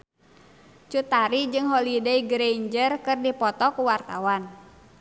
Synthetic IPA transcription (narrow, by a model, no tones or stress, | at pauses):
t͡ʃut̪aɾid͡ʒɨŋɦolideiɡɾeiɲd͡ʒərkɨrdipɔt̪ɔkuwart̪a̰wan